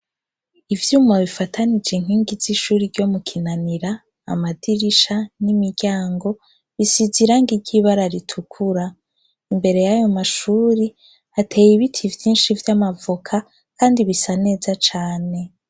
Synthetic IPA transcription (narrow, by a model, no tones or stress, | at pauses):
ivjuːmaβifatʰanid͡ʒeŋɦiːŋɡiz̥iʃuːɾiɾɟo̞mukʰinaniɾa̰ː | madiɾiʃanimiɾɟaːŋɡo̞ | βisiziɾaŋɡiɾɟiːβaɾaɾitʰukʰuɾa | imbe̞ɾe̞jajo̞maʃuːɾi | atʰe̞ːjiβitʰivjiːnʃivjamavokʰa | kaːndiβisane̞ːzat͡ʃaːne̞